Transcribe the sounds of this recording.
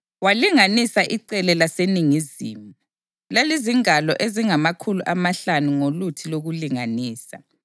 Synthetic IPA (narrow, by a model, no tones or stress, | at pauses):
waliŋanisaʔiǀɛlɛlaseniŋizḭːmu | leliziŋalɔʔeziŋamakʰuluʔamaɬanuŋolutʰiloɣuliŋaniːsa̰